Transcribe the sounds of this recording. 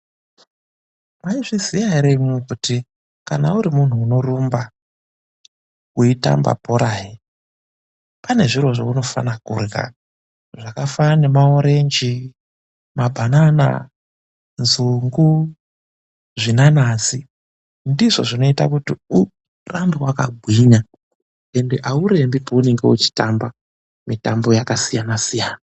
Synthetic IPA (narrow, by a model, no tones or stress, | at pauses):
maiʐizijaiɾemukuti | kana̰uɾimun̤uːno̞rumba | uita̰mba̰poɾaːji | pane̞ʐirwo̞ʐouno̞fa̰nakṵrɣa̰ | ʐakafane̞mao̞ɾe̞nd͡ʒi | mabʱanana̰ | nzuŋɡu | ʐinanaːsi | ndiʐo̞̰ʐino̞ita̰kutiu | rambiwaka̰ɡʱwiɲa | endeʔauɾe̞mbipaune̞ŋɡe̞ut͡ʃi̥tamba | mitambo̞jakasijanasijaːna